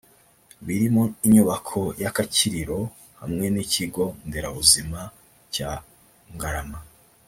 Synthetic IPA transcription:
βiɾimoiɲuβakʰo̞jakaciɾiɾo̞ | ha̰mŋe̞niciɡo̞nde̞ɾaβuzima | ca | ŋɡaɾama

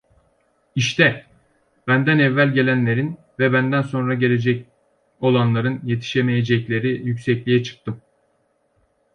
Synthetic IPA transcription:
iʃt̪ʰɛ | b̥ænd̪ænɛvːælʲɟe̞lʲænlʲe̞ɾin | vɛbænd̪ænso̞nɾaɟe̞lʲe̞d͡ʒɛc | o̞lˠanlˠaɾɯnje̞t̪ʰi̥ʃemejed͡ʒɛclʲe̞ɾijycsɛclʲijɛt͡ʃʰɯ̥k̚t̪ʰɯm

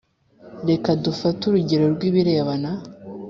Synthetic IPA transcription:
ɾe̞kadufatuɾuɟeɾo̞ɾɡwiβiɾe̞ːβana

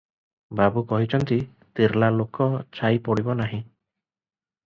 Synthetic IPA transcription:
babukɔɦit͡ʃʰɔnt̪i | t̪iɾlalokɔt͡ʃajpɔɽibɔnaɦĩ

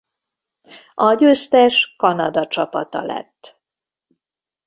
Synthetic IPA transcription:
ɒɟøst̪ɛʃkɒnɒd̪ɒt͡ʃɒpɒt̪ɒ̰lɛ̰t̪ː

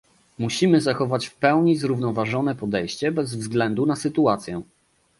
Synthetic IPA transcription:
muɕimɘzaxɔvat͡ɕfpɛwɲizɾuvnɔvaʐɔnɛpɔd̪ɛjɕt͡ɕɛbɛzvzɡlɛnd̪unasɘt̪uat̪sʲjɛ

